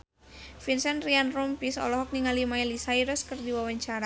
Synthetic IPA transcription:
finsɛnrianrumpisɔ̰lɔɦɔk̚niŋalimailisaiɾɔskərdiwawaɲt͡ʃaɾa

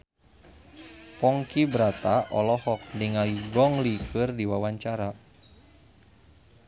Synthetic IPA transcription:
pɔŋkibɾat̪aʔɔ̰lɔhɔk̚diŋauɡɔŋlikɨrdiwawaɲt͡ʃaɾa

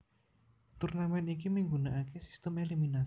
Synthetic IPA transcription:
t̪urnamɛnik̬imiŋɡunaʔakesi̥st̪əmelimina

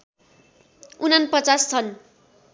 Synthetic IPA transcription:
unanpʌt͡sast͡sʰʌn

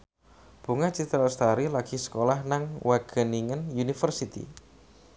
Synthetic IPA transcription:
b̥ṳŋat͡ʃit̪ɾalst̪aɾilaɡ̥i̤sə̥kolahnaŋwaɡ̥ə̤niŋənunifərsit̪ḭ

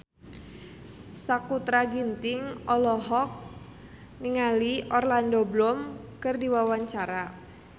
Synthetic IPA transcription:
sakut̪ɾaɡint̪ɪŋɔlɔɦɔk̚ | niŋaliʔɔrlandɔblɔmkɨrdiwawaɲt͡ʃaɾa

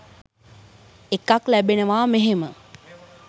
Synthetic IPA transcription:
ekaklæbenəʋaːmeɦemə

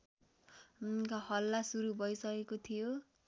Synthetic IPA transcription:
kahʌlːasuɾubʱʌjsʌkekot̪ʰijo

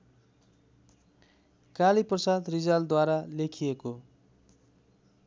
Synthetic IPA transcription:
kaliprʌsat̪rid͡zald̪waɾalekʰijeko

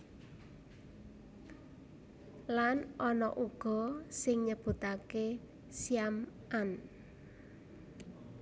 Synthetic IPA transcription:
lanʔɔnɔ̰ʔuɡ̥ɔ̤sɪŋɲəb̥ṳt̪ake | siamʔan

